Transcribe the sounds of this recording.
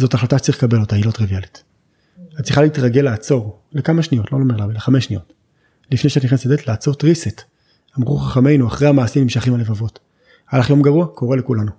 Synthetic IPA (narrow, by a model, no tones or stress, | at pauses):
zo̞taχlataʃe̥tt͡saʁilkabe̞lotailotʁivialit | hatt͡sʁiχaliitʁaɡe̞laːt͡so̞ʁ | le̞kamaʃnijo̞tlolomeʁlavaleχame̞sʃnijo̞t | lifneʃeatniχnasad̪etlaːt͡so̞tʁiset | amʁuχaχame̞jnuaχʁejhamaːsimnimʃaχimhale̞vavo̞t | alaχjo̞mɡaʁuako̞ʁe̞le̞kulanu